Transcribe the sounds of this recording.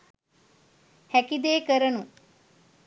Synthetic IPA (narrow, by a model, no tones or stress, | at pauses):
hækid̪eːkəɾənu